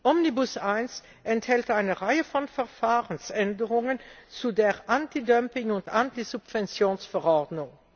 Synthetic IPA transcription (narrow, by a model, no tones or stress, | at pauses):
ʔɔmnibʊsaɪns | ʔɛnthɛltʔaɪnəʁaɪəfɔnfɛɐfaːʁənsɛndəʁʊŋənt͡sudeːʁʔantidœmpɪŋʊntʔantizupv̥ɛnt͡sjoːnsfɛʁɔʁdnʊŋ